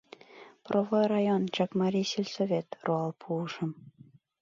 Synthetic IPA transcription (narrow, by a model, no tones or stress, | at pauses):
prʔovojrɑjont͡ɕɑkmɑɾʲijselʲsovʲet̪roɑlˠpʰuːʃə̆m